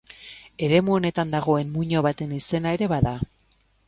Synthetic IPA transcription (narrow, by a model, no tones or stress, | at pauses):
e̞ɾe̞muo̞ne̞t̪and̪aɣ̞o̞e̞nmuɲo̞βat̪e̞nise̞nae̞ɾe̞βaða